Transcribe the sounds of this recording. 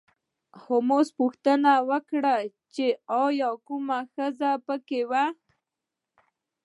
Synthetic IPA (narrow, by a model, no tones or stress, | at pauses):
xomospʊxt̪ənawəkɽa | t͡ʃeɑjɑkumaxəzapəkewa